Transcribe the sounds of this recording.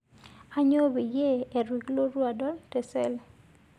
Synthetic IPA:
a˦ɲo˦bi˨je˦e˨ɾwi˨klo˦ɾwa˨dɔ˦ltɛ˨sɛ˦˨l

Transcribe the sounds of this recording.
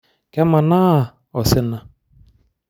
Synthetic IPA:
kɛ˦ma˨na˦˨ | ɔ˨sɪ˦na˦

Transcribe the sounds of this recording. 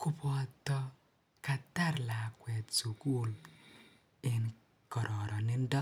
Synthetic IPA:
ku˦pɔ˨tɔ˧ | ka˨ta˦ɾla˨kwɛ˨tsu˨ku˦l | ɪ˨n | kɔ˨ɾʔɔ˨ɾɔ˨nɪ˦ndɔ˦

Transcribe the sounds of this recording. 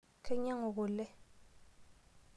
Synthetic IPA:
kʰɛ˦ɲa˦ŋo˨ɣo˨lɛ˦

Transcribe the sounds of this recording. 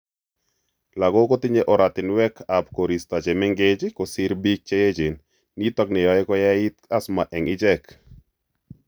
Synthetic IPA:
la˨ɡɔ˦ko˦t̪ɪ˦ɲe˦ʔɔ˨ɾa˨t̪ɪ˨nwɛ˦kʰa˨pko˨ɾi˨st̪a˨t͡ʃe˨mɛ˦ŋɡe˦d͡ʒkɔ˨sɪ˦ɾbi˦k̚t͡ʃe˦je˦d͡ʒe˨nː | i˦t̪ɔ˦knɪ˨jɔ˨ɛ˦kɔ˦ja˦ɪ˦t̪a˦sma˨ʔɛ˨ŋɪ˦d͡ʒɛ˦k

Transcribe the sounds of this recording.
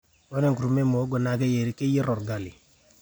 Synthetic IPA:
wo˦ne˦ŋku˨ɾu˨me˦mo˨˦ɡo˨na˨ke˦je˨ɾi˨˦ke˦ji˦ɾo˨ɾɡa˨li˨

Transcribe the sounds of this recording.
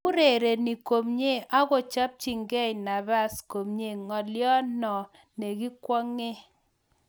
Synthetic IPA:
u˦ɾe˨ɾe˨ni˨ko˨mɲe˦ʔa˦ɣɔ˨t͡ʃa˦p̚t͡ʃi˨ŋɡɛ˦˨jna˨ba˦sko˨mɲe˦˨ŋɔ˨ljɔ˦nɔ˨ | ne˨ɡi˦kwɔ˦ŋe˦

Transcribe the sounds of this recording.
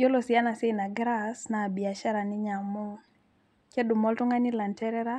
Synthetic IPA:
o˦lo˨si˨a˦na˨se˦na˨ɡɾa˦sna˨bi˨a˨ʃa˦ɾa˨nɪ˦ɲa˨mu˦ŋ | ke˦du˨mɔ˦ltu˦ŋa˦nɪ˦la˨ntɛ˦ɾɛ˦ɾa˦

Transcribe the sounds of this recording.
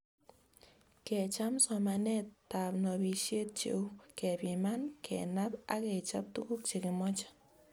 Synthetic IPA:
kɛ˨t͡ʃa˦msɔ˨ma˨nɛ˦tta˨pnɔ˨bi˨ʃje˦t̚t͡ʃḛ˨u˦kɛ˨pɪ˨ma˦nkʰɛ̰˨na˦pa̰˦kɛ˨t͡ʃa̰˦p̚tu˦ku˦k̚t͡ʃe˨kɪ˨mɔ˦t͡ʃḁ˦

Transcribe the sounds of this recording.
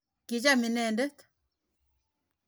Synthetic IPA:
ki˨d͡ʒa˦mi˨nɛ˦˨ndɛ˦t̪

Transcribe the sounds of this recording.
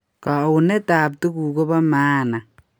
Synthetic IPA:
ka˨u˨nɛ˦taː˨p̬̚tu˦ku˨ko˦ba˦maː˦na˨

